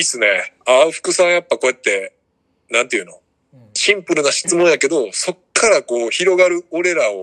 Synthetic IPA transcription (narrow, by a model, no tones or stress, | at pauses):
isɨne̞aɸɯ̥kɯ̟sãɰ̃japːako̞jet̪ːe̞ | nãnt̪ejɯ̟no̞ | ɕĩmpɯ̟ɾɯ̟naɕi̥t͡sɨmõ̞ɰ̃jake̞d̪o̞so̞kʰːaɾako̞ːçiɾo̞ɡaɾɯ̟oɾe̞ɾao